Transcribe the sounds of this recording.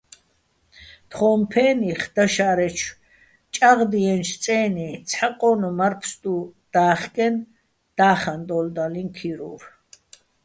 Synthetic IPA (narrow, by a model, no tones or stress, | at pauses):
t̪χɔːmpʰɛːniχd̪̥aʃaɾɛt͡ʃʰ | t͡ʃʼaʁd̪iɛnʃt͡sʼɛːnit͡sʰħaqʼɔnumaɾpʰst̪ʼud̪̥aːχkʼɛn | d̪̥aːχand̪ɔld̪alinkʰiɾṵɾ